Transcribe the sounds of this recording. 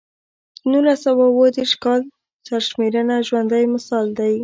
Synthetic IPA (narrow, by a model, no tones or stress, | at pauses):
nulasawawəd̪eɾʃkɑl | t͡ʃaɾʃmeɾənaʒwand̪ajmɪsɑld̪aj